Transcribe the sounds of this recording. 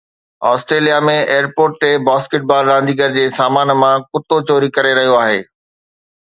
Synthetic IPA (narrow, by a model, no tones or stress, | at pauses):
ɔ̰ːsʈɾeːlijamẽeːəɾpoːɾʈ̚t̪ebaːskeʈ̚baːlɾãːnd̪iɡəɾd͡ʑeːsaːmaːnmãkʊt̪ot͡ɕoːɾikɐɾeɾɐɦijoaːɦḛː